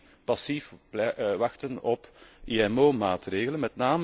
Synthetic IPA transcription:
pɑsifbʋɑxtənɔpiɛmoːmaːtreːɣələnmɛtnaːm

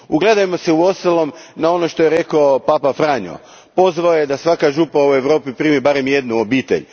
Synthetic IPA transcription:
uɡle̞d̪ajemo̞seuo̞st̪alˠo̞mnao̞noʃt̪o̞jeɾe̞kaopapafɾaɲo̰ | po̞zʋaojed̪asʋakaʒupaue̞ʋɾo̞ːpipɾiːmibaɾe̞mje̞d̪nuobiːt̪e̞̰ʎ

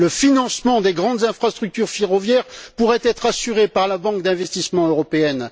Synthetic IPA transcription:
ləfinɑ̃smɑ̃d̪eɡʁɑ̃d̪zɛ̃fχast̪χyk̚t̪yʁfeʁɔvjɛʁpuʁɛt̪ɛt̪χasyʁepaʁlabɑ̃kd̪ɛ̃vɛst̪ismɑ̃øʁɔpeɛn

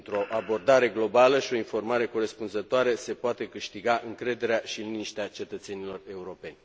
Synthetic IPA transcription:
nt̪ɾo̞ʔabo̞rd̪aɾe̞ɡlo̞baləʃio̞info̞rmaɾe̞ko̞ɾe̞spunzət̪oaɾese̞poat̪e̞kɨʃt̪iɡaʔɨŋkɾe̞d̪e̞ɾeaʃiliniʃt̪eat͡ʃe̞t̪ət̪se̞nilo̞re̞uɾo̞pe̞nʲ

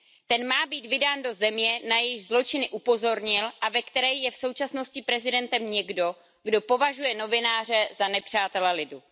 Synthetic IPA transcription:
t̪ɛnmaːbiːt̪vɪdaːndo̞zɛmɲɛnajɛjɪʒzlo̞t͡ʃɪnɪʔupo̞zo̞ɾɲɪlʔavɛkt̪ɛɾɛjjɛfso̞wt͡ʃasno̞scɪpɾɛzɪdɛnt̪ɛmɲɛɡdo̞ | ɡdo̞po̞vaʒujɛno̞vɪnaːrɛzanɛpr̝̥aːt̪ɛlɛlɪdu

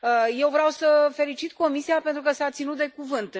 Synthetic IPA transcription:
əje̞wvɾawsəfe̞lit͡ʃit̪ko̞misiape̞nt̪ɾukəsat̪sinut̪̚d̪e̞kuvɨnt̪

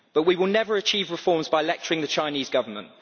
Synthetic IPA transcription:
b̥ʌʔwiwɪlˠnɛvəɹət͡ʃʰiːvɹɪfɔːmzbaɪəlɛk̚t͡ʃəɹɪ̃ŋðət͡ʃʰãɪ̃niːzɡʌvəmə̃nʔ

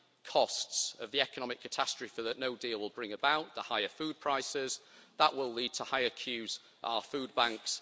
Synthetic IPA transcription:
kʰɒstsəvðiɛkənɒmɪkʰːətʰastɹ̥ə̥fɪfəðəʔnoʊdiːlˠwɪlˠbɹɪ̃ŋəbaʊʔðəhaɪəfʉːd̚pʰɹ̥aɪsɪz̥ðəʔwʔɪliːd̚tʰəhaɪəkʰj̥ʉːz | ʔa̰ʊəfʉːd̚bãŋks

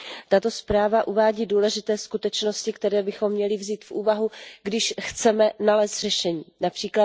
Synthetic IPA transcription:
t̪at̪o̞spɾaːvaʔuvaːɟiːduːlɛʒɪt̪ɛːskut̪ɛt͡ʃno̞scɪkt̪ɛɾɛːbɪxo̞mːɲɛlɪvziːt̪fʔuːvaɦuɡdɪʃxt͡sɛmɛnalɛːst̪r̥ɛʃɛɲiːnapr̥iːkla

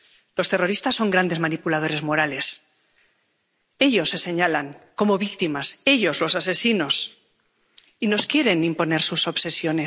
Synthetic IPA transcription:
lo̞st̪e̞ro̞ɾist̪asːo̞ŋɡɾand̪e̞zmanipulað̞o̞ɾe̞zmo̞ɾale̞s | e̞ʎo̞sːe̞se̞ɲalaŋko̞mo̞βikt̪imase̞ʎo̞zlo̞sase̞sino̞s | ino̞skje̞ɾe̞nimpo̞ne̞ɾsuso̞βse̞sjo̞ne̞

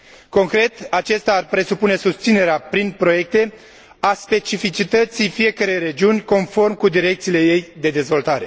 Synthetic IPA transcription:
ko̞ŋkɾe̞t̪at͡ʃe̞st̪ʲaːrpɾe̞supune̞sust̪sine̞ɾeapɾinpɾo̞je̞k̚t̪e̞ | aspe̞t͡ʃifit͡ʃit̪ət̪sijfije̞kəɾejɾe̞d͡ʒiunʲko̞nfo̞rmkud̪iɾe̞k̚t̪siːle̞je̞jd̪e̞d̪e̞zvo̞lt̪aɾe̞

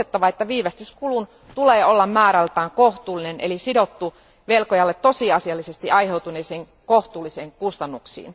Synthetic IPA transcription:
et̪ːɑʋɑet̪ːæʋiːʋæst̪yskulun | t̪uleːolːɑmmæːɾælt̪æːŋkoht̪uːlːinenelisidot̪ːu | ʋelkojɑlːet̪ːosiɑsiɑlːisest̪iʔɑjheut̪uneːseːŋ | koht̪uːliseːŋkust̪ɑnːuksḭːn

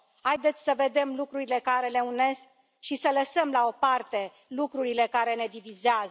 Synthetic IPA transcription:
ajd̪e̞t̪sʲsəve̞d̪e̞mlukɾuɾile̞kaɾe̞le̞une̞sk̚ | ʃisələsəmlao̞part̪e̞ | lukɾuɾile̞kaɾe̞ne̞d̪ivizeaz

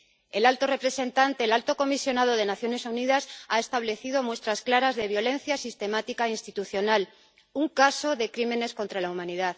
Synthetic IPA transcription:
e̞lalt̪o̞re̞pɾe̞sẽ̞nt̪ant̪e̞ːlalt̪o̞ko̞misjo̞nað̞o̞ð̞e̞naθjo̞ne̞suniðasae̞st̪aβle̞θið̞o̞mwe̞st̪ɾasklaɾazðe̞βjo̞lẽ̞n̟θjasist̪e̞mat̪ikainst̪it̪uθjo̞nal | uŋkaso̞ðe̞kɾimẽ̞ne̞skont̪ɾalaumãniðað

